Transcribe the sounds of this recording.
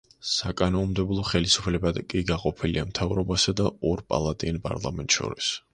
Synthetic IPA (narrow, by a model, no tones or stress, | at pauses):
sakʼanɔmd̪ɛblˠɔχɛlisu̥pʰlɛbad̪kʼiɡaqʼɔpʰiliamt̪ʰavɾɔbasad̪aɔɾpʼa̰lˠat̪ʼianpʼa̰ɾlˠa̰mɛnt̪ʼʃɔ̰ɾis